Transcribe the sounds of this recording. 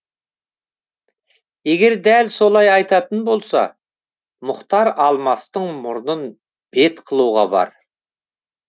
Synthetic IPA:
eɡʲe̞ɾd̪ælso̞lˠɑjɑjt̪ɑt̪ənbo̞lˠsɑ̰ | mʊqt̪ɑɾɑlˠmɑst̪əɴmʊɾnən | b̥e̞t̪qʰəlˠuʁɑ̰bɑ̰ɾ

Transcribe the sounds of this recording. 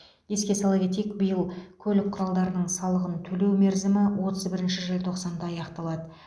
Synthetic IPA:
e̞skʲe̞sɑlˠɡʲet̪ekbəjəlˠkʲʰɵlɪk̚qʰʊɾɑlˠd̪ɑɾənəɴsɑlˠəʁənt̪ʰɵle̞wme̞ɾzɪmɪwo̞t̪əzbɪɾɪnʃɪʒelt̪ʰo̞qsɑnd̪ɑɑjɑqt̪ɑlˠɑd̪ə

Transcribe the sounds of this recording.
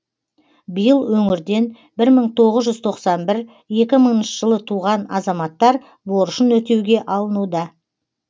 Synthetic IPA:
bijəlˠwɵŋɪɾd̪e̞n | bɪɾməɴt̪ʰo̞ʁəzʒʏzt̪ʰo̞qsɑnbɪɾ | je̞kʲɪməɴənʃəʒ̥əlˠət̪ʰuʁɑnɑzɑmɑt̪ːɑɾ | bo̞ɾəʃənwɵt̪e̞wɡʲe̞ʔɑlˠənud̪ɑ

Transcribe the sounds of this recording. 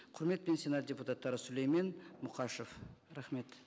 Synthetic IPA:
qʰʊɾme̞t̪̚pensʲinɑt̪̚dʲeput̪at̪ːɑɾəsʊlejmenmʊqɑʃofɾæχme̞t̪

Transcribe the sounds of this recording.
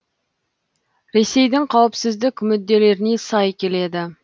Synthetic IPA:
ɾe̞se̞jd̪ɪŋqʰɑwəpsɪzd̪ɪkʲmʏd̪̚ːe̞le̞ɾɪne̞sɑjkʲʰe̞le̞d̪ɪ

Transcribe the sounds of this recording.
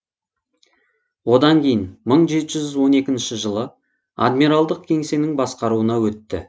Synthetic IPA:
wo̞d̪ɑŋkʲʰe̞jɪnməɴʒe̞t̪ɪʒʏzwo̞ne̞kʲɪnʃɪʒəlˠə | a̰d̪miɾalˠd̪əq̚kʲʰe̞ŋse̞nɪŋbɑsqɑɾuənɑwɵt̪ːɪ̰

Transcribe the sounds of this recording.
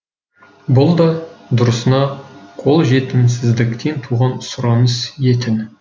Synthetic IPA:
bʊlˠd̪ɑd̪ʊɾəsənɑqʰo̞lˠʒe̞t̪ɪmsɪzd̪ɪkt̪ʰe̞nt̪ʰuʁɑnsʊɾɑnəsje̞t̪ʰɪn

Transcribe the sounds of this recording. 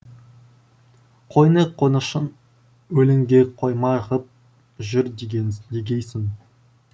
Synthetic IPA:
qʰojnəqʰːonəʃən | ɵlɪŋɡʲeqʰojmɑʁəp̚ | ʒʏɾd̪eɡʲejsɪn

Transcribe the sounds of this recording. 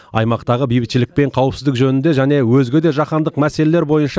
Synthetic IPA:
ɑ̰jmɑqt̪ɑʁəbijbɪt̪ʃɪlɪk̚pe̞ɴqʰɑwəpsɪzd̪ɪkʒɵnɪnd̪e̞ʒæne̞wɵzɡʲe̞d̪e̞ʒɑqɑnd̪əqmæse̞le̞le̞ɾbo̞jənʃɑ

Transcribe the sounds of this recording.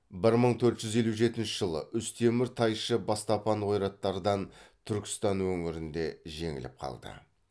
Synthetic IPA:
bɪɾməɴt̪ʰɵɾt̪ʒ̥ʏzje̞luʒe̞t̪ɪnʃɪʒəlˠə̰ʔʏst̪ʰe̞mɪɾt̪ʰɑjʃəbɑst̪ɑpɑnwo̞jɾɑt̪ːɑɾəd̪ɑnt̪ʰʏɾkʲɪ̥st̪ɑnwɵŋɪɾɪnd̪e̞ʒe̞ŋɪ̰lɪ̰p̚qʰɑ̰lˠd̪ə̰

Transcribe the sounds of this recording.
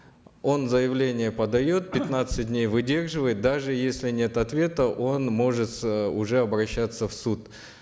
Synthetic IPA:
o̞nzəjɪvlʲenʲɪjəpəd̪ɐjo̞t̪̚pʲɪt̪nat̪sɨt̚ʲdʲnʲejvɨdʲe̞rʐɨvəjɪt̪̚d̪aʐɨjesʲlʲɪnʲe̞t̪ɐt̪vʲe̞t̪əʔo̞nmo̞ʐɨt̪ʊʐɛɐbɾɐɕːat̪sːəfsut̪

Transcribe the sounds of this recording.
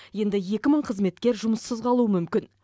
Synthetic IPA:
je̞nd̪ɪje̞kʲɪməɴqʰəzme̞t̪kʲe̞ɾʒʊməsəzqʰɑlˠuəmʏmkʲɪn

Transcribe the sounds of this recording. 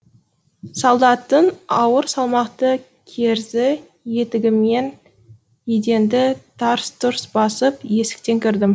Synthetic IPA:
sɑlˠd̪ɑt̪ːənɑwəɾsɑlˠmɑqt̪ə | kʲʰe̞ɾzɪ | je̞t̪ɪɡʲɪme̞n | ed̪e̞nd̪ɪt̪ʰɑɾst̪ʊɾsbɑsəpje̞sɪ̥k̚t̪e̞ŋkʲʰɪɾd̪ɪm

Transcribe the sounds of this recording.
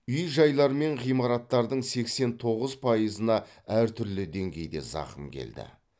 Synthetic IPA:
ʏjʒɑjlˠɑɾəme̞ɴʁijmɑɾɑt̪ːɑɾd̪əɴse̞kse̞nt̪ʰo̞ʁəzpʰɑjəzənɑ | æɾt̪ʰʏɾlɪd̪e̞ŋɡʲe̞jd̪e̞̰zɑ̰χəmkʲʰe̞̰ld̪ɪ̰

